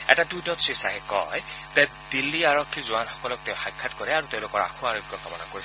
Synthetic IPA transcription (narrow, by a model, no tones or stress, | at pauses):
ɛ̰tadujnɔtsɹisaɦɛkɔ̰jtɛ | d̥ilːiaɹokʰːizuanxɔ̥kɔlɔk̚teʊ̃xajkʰːatkɔɹɛaɹuteʊ̃lʊkɔɹa̰kʰuaɹokʰijɔkamɔna̰koɹis